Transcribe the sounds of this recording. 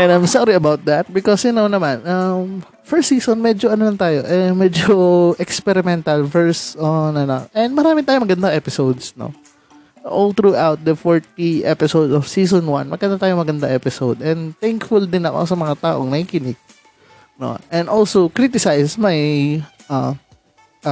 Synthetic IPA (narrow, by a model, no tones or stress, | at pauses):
ʔɛ̃nãjmsɑɾiɐbawt̪̚d̪at̪̚bɪkɔsjʊnownɐmanʔɐm | fɛɹsiːsonmɛd͡ʒoʔɐnolɐŋt̪aːjoʔɛmɛd͡ʒoʔɛkspɛɾɪmɛnt̪ɐlfɛɹsonɐnoʔɛnd̪mɐɾaːmɪt̪aːjomɐɡɐnd̪aʔɛpɪsowd̪sno̰ | ʔolt̪ɾuʔawt̪̚d̪ɐfoɹt̪̚iʔɛpɪsowd̪ɔfsiːsɔnwa̰nmɐɡɐnd̪at̪aːjoŋmɐɡɐnd̪aʔɛpɪsowd̪ɛ̃nd̪t̪ɛŋkfʊld̪ɪnɐko̰sɐmɐŋat̪aːʔoŋnɐhikɪnɪɡ̚ | no̰ʔɛ̃nd̪ʔolsowkɾit̪ɪsajsmajʔam